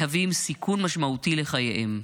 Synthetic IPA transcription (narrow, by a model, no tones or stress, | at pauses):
havimsikʰunmaʃmautileχajeʔem